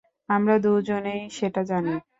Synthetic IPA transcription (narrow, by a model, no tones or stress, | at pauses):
amɾad̪ud͡ʑonejʃeʈad͡ʑana